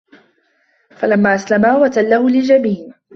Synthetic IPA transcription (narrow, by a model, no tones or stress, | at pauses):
falamːaːʔaslamaːwat̪alːahʊlɪd͡ʒabiːn